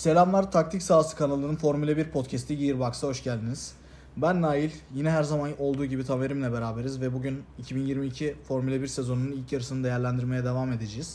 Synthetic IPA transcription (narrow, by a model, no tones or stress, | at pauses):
se̞lʲamlˠaɾt̪ʰak̚t̪ʰicsaːsɯ̥kʰanalˠɯnɯnfo̞ɾmylʲɛbiɾpʰo̞t̪cʰɛst̪ʰiɟijiɾbaksaɦo̞ʃɟælʲd̪iniz̥ | bænːaːjilʲjinɛɦæɾzamano̞lˠd̪uːɟibit̪ʰame̞ɾimlʲɛbe̞ɾaːbe̞ɾizvɛbuɟynicʰibinjiɾmiːcʰifo̞ɾmylʲɛbiɾsezo̞nununilʲcjaɾɯsɯnɯd̪e̞jæɾlʲænd̪iɾmejɛd̪evame̞d̪ed͡ʒejiz̥